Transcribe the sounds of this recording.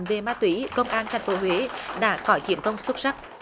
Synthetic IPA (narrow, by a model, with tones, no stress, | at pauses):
nve˨˩maː˧t̪wi˧˥kə˧wŋ͡mʔaː˧nt̪ʰa˨˩jŋ̟fo˨˦ɦwe˨˦ɗa̰ː˧˥kɔ˨˦t͡ɕi˧˩əmkə˧wŋ͡mswə˦˥t̚sa˦˥k̚